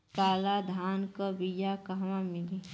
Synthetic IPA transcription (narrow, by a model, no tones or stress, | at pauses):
kaːlad̪ʱaːnkəbijakɐɦʋãmɪli